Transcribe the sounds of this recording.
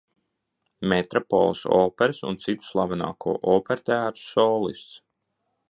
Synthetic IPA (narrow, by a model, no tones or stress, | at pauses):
met̪ɾɔpɔ̰lˠsɔ̰ːpɛɾsṵnt̪sit̪u̥slˠavanɑ̰ːkʰuɔːʔɔːpeɾt̪æːɾ̥sːɔːlˠḭst̪s